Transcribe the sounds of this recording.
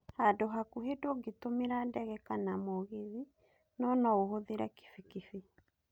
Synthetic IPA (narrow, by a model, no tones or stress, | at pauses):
hadoɦakuɦedoɡetomeɾandɛɣɛkanamɔɣeði | nɔnɔohoðeɾɛke̥fikife